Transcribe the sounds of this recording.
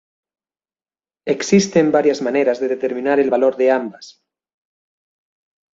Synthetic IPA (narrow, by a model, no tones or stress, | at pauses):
eksist̪embaɾjazmaneɾazðeðet̪e̞ɾmĩnaɾelβaloɾðeambas